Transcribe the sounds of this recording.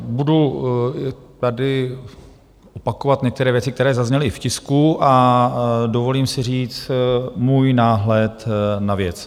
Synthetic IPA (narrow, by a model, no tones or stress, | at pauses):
budu | t̪adɪ | ʔopakovat̪ɲɛkt̪ɛɾɛːvjɛt͡sɪkt̪ɛɾɛːzazɲɛlɪfcɪskuʔa | dovo̞liːmsɪr̝iːt͡smuːjnaːɦlɛt̪navjɛt͡s